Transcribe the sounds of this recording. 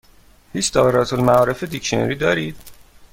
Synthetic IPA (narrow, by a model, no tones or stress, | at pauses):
hiːt͡ʃd̪ɒːbeɾɒːt̪ʰolmæɒːɾe̞fed̪ikʃeno̰ɾiːd̪ɒːɾiːd̪̥